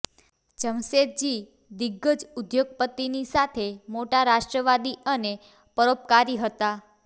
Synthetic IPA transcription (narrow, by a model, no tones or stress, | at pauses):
t͡ʃəmset̪̚d͡ʒi | d̪iɡːəd͡ʒud̪joɡ̚pət̪ːinisat̪ʰemoʈaɾaʃʈɾəʋad̪iəne | pəɾop̚kaɾiɦət̪a